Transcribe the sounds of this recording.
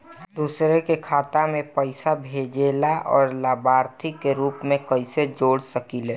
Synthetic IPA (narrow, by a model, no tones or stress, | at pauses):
d̪uːsɾekekʰaːt̪amẽpəɪsabʱed͡ʒelaʔɔːɾlaːbaːɾt̪ʰikːeɾuːpmẽkəɪsed͡ʒoːɽsəkileː